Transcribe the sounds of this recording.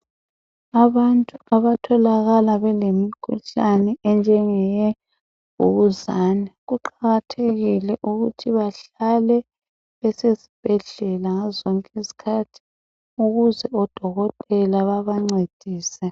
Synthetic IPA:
aβantʼuaβatʰɔlaɣalaβɛlemikʰṵɬanɛɛnd͡ʒʱɛŋɛjɛ | ṵɣuzaːnɛɣuǃaɣatʰeɣilɛʔuɣutʰiβaɬalɛ | βɛsezib̥ʱɛɮɛlaŋazɔŋkʼisi̥kʰatʰi̥ | uɣuzɛɔd̥ʱɔɣɔtʼɛlaβaβaŋ͡ǀed̥ʱiːsɛ

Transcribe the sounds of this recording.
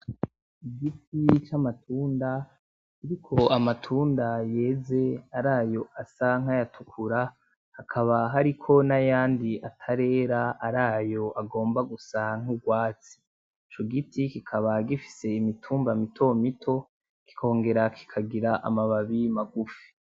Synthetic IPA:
iɡitit͡ʃamatʰuːnda | kiɾikʰo̞amatʰuːndaje̞ːze̞aɾaːjo̞asaŋ̥ajatukʰuɾa | hakʰaβaɦaɾikʰo̞najaːndiatʰaɾe̞ːɾaaɾaːjo̞ʔaɡo̞ːmbaɡusaŋ̥uɡwaːt͡si̥ː | t͡ʃoɡitikikʰaβaɡifi̥se̞imitʰuːmbamitʰo̞mitʰo̞ | ki̥kʰo̞ːŋɡe̞ɾakʰi̥kʰaɡiɾaʔa̰maβaβimaɡufi̥

